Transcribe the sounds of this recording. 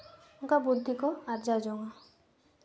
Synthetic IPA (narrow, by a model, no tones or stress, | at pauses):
uŋkabud̪ʱːikɔaɾd͡ʒad͡ʒoŋa